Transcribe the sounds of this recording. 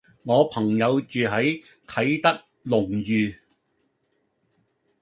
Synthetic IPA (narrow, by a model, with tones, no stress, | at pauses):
ŋɔː˨˧pʰɐ˨˩ŋjɐ˨˧wt͡ʃyː˨ɦɐ˨˥j | t̪ʰɐ˨˥jt̪ɐ˥k̚ | lʊ˨˩ŋjyː˨